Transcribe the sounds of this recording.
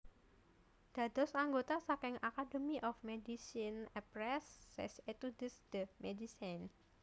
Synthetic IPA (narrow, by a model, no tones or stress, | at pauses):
d̪̥a̤d̪̥ɔsaŋɡot̪asakɪŋʔakadəmiʔɔfmedisinɛpɾɛsːɛ̰set̪udəsd̪̥əmedisan